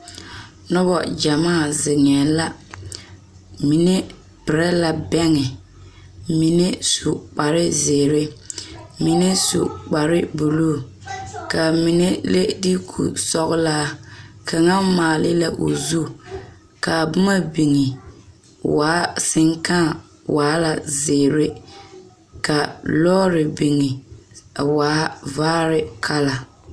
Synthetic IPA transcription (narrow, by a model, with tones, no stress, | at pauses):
nɔ˦bɔ˨d͡ʒa˨maː˦˨zɪ˨ŋɛ˨la˦ | mi˨ne˦ | pɪ˨ɾɛ˦la˨bɛ˦ŋɪ˨ | mi˨ne˦su˨k͡pa˨ɾɪ˦zeː˨ɾɪ˦ | mi˨ne˦sṵ˨k͡pa˨ɾɪ˦bu˨luː˦˨ | ka˨mi˨ne˦le˦di˦kʰṵ˨sɔ˦ɣʊ˦laː˦ka˨ŋa˦maː˨lɪ˦la˦ʔo˨zu˦ | ka˨bʊ˦ma˦bi˨ŋɪ˨ | waː˨˦sɪ˦ŋka˦˨ | wʔaː˨˦la˨zɪː˨ɾɪ˦ | ka˨lɔː˦ɾɪ˨bi˨ŋɪ˨ | waː˨˦vaː˦ɾɪ˦kʰa˦la˨